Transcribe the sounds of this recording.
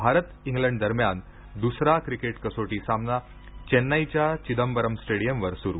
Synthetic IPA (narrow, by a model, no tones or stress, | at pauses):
bʱaɾət̪ĩŋɡlə̃ɳɖd̪əɾmjan | d̪usɾakɾikeʈkəsoʈiːsamna | t͡ɕenːajt͡ɕjat͡ɕid̪əmbəɾəmsʈeɽijəmʋəɾsuɾu